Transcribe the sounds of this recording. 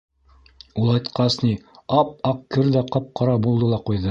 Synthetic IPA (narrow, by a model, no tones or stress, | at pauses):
ulˠɑjt̪qɑsniɑp̚ɑqkɘɾðæqɤp̚qɑɾɑbulˠd̪ɤlˠɑqujðɤ